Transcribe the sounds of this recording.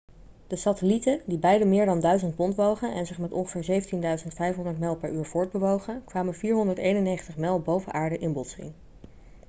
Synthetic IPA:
d̥əsatəlitədibɛjdəmɪːɹdɑndœɥzəntpɔntʋowχənʔɛ̰nzɪχmɛtɔ̰nχə̥v̥ɪːɹzejvəntindœɥzəntfɛjfɦɔndəɹtmɛlˠpɛɹyːɹv̥ʊːɹd̚bəʋowχənkʋaːmənviːɹɦɔndəɹtejnənejχəntəχmɛlˠbowvəʔaːɹdəʔɪnbɔtsḭŋ

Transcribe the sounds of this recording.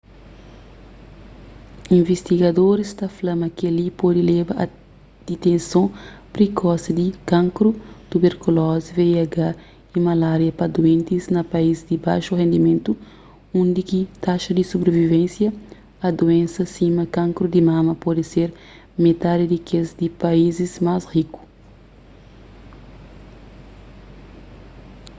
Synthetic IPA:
ĩɱvest̪iɡɐd̪oɾist̪ɐflɐmɐkialipod̪ilɛbɐʔɐ | d̪̥it̪ẽnsõpɾekʰɔsɐd̪ikãŋkɾut̪ubeɾkulɔziveiaɡa | imalaɾjɐpɐd̪uẽnt̪iznɐpɐizd̪iba̰jʃuɦẽnd̪imẽnt̪u | ũnd̪ikit̪aʃɐd̪isubɾevivẽnsjɐ | ɐd̪uẽnsɐsimɐkãŋkɾud̪imãmɐpɔd̪iseɾ | met̪ad̪id̪ikezd̪ipaizizmasriku̥

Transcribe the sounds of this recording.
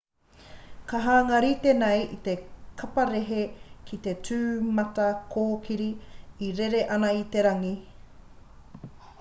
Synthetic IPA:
kɐɦaːŋɐɾit̪enɐjit̪ekʰɐpɐɾeɦekʰit̪e̞tʰʉːmɐtɐkʰoːkʰiɾiːɾeɾeʔɐnɐit̪e̞ɾɐŋi

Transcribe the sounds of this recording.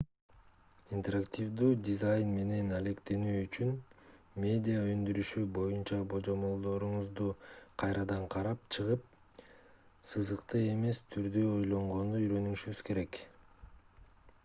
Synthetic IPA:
int̪eɾaktʲivd̪uːdʲizajnme̞ne̞nale̞kt̪e̞nyːyt͡ʃyn | mʲe̞dʲijaø̞nd̪yɾyʃybo̞junt͡ʃɑbo̞d͡ʒo̞mo̞lˠd̪o̞ɾuɴuzd̪uqʰɑjɾɑd̪ɑɴqʰɑɾɑp̚t͡ʃʰɯʁɯp̚ | sɯzɯqt̪ɯe̞me̞st̪ʰyɾd̪yo̞jlˠo̞ɴʁo̞nd̪uyɾø̞nyŋʃyɡyz̥ke̞ɾe̞k

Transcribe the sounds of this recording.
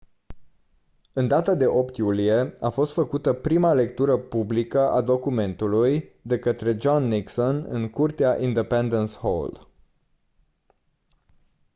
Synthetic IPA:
ɨnd̪at̪ad̪e̞ʔo̞pt̪julije̞afo̞st̪fəkut̪əpɾimale̞k̚t̪uɾəpublikəʔad̪o̞kume̞nt̪ulujd̪e̞kət̪ɾe̞d͡ʒonːiksonɨ̰ŋkurt̪eaʔind̪epend̪ənsho̰l

